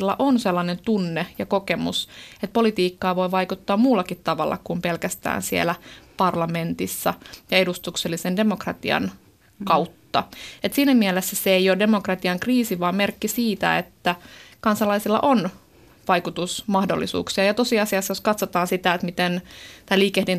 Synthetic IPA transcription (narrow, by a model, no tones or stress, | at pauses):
lːɑ̰ʔonselːɑnent̪unːejɑkokemṵset̪̚polit̪iːkːɑːʋo̞iʋɑikut̪ːɑːmmuːlːɑkit̪tɑʋɑ̰lːʔɑ̰kumpelkæst̪æ̰ːnsiḛlæpɑrlɑment̪isːɑ̰jɑedust̪ukselːisendemokrɑ̰t̪iɑ̰n | kɑwt̪ːɑet̪siːnæmielesːæseeijode̞mokrɑt̪iɑŋkriːsiʋɑːmmerkːisiːt̪æ̰et̪ːækɑnsɑlɑisilːɑ̰ʔon | ʋɑikut̪usmɑhdo̰lːḭsṵːksiɑjɑt̪osiɑsiɑsːjoskɑt̪sot̪ɑːnsit̪æet̪mit̪ent̪ɑiliːkehdin